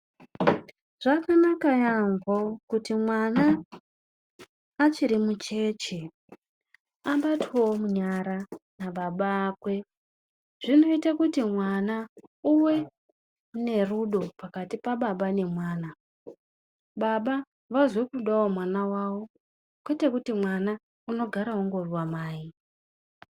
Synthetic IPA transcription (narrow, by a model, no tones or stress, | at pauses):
ʐ̥akanakajaŋɡokutimwana | t͡ʃiɾimut͡ʃe̞t͡ʃe | aɓatʰewomuɲaɾanaɓaɓaːkwe̞ | ʐ̥ino̞itakutimwanauwe̞ | ne̞ruɗo̞pakatipaɓaɓane̞mwaːna | ɓaɓa | ʋazo̞kuɗawomwanawawo̞ | kwetekutimwana | uno̞ɡʱaɾaɦuŋɡo̞rwamaːji